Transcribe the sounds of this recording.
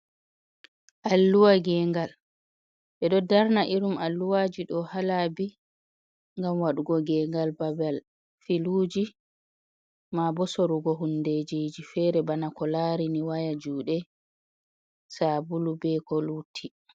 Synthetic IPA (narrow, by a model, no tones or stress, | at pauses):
ʔalːuwaɡɛŋɡal | ɓɛɗɔdaɾnaʔiɾumalːuwaːd͡ʒiɗɔhalabi | ŋɡamwaɗuɡɔɡɛːŋɡalbabɛl | filuːd͡ʒi | mabɔsoɾuɡɔɦunːded͡ʒiːd͡ʒifɛɾɛbanakɔlaːɾiniwajad͡ʒuːɗɛ | saːbulubɛkɔlutʰːi